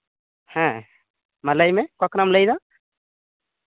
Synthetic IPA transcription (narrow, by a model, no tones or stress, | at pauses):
hɛ̃ | mələjmɛkɔkɾamləjd̪ɔ